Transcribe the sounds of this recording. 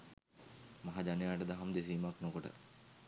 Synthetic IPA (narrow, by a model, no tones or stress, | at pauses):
maɦad͡ʒ̪anejaːʈəd̪aɦamd̪es̬iːmaknokoʈə̰